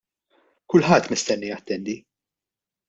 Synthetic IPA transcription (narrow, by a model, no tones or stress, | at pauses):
kʊlħɐt̪ːmɪst̪ɛnːijɐt̪ːɛnd̪i